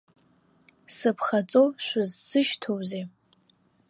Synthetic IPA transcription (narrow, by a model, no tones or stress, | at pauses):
sɨpʰχat͡sʼowʃʷʊzsɨʃtʰowze